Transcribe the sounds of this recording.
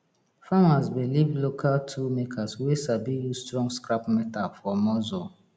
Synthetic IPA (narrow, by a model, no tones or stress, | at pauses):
famasbilivlokʰaltʰumekʰasesabijuzstɾɔ̃ŋɡskɾapmɛtalfɔmɔzɔ